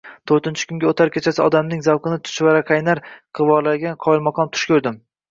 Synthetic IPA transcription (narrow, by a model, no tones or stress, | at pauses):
t̪ʰɵɾt̪ɪnt͡ʃʰɪ̥kʰʊŋɡʲaot̪ʰaɾkʲʰet͡ʃʰasɪɒd̪amnɪŋzawqʰɨnɪt̪ʰʊ̥ʃvaɾaqʰajnaɾqʰɨvɒlaɡʲanqʰɒjɪlˠmɒqʰɒnt̪ʰʊ̥ʃkʰʲɵɾd̪ɪm